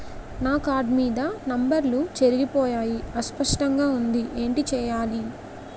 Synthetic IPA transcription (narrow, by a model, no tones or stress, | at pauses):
naːkaːɾɖmiːd̪ɐnɐmbɐɾlut͡ʃeɾiɡipɔːjaːjiɐspɐʂʈɐŋɡaːund̪iʔeːɳʈit͡ʃɛːjaːli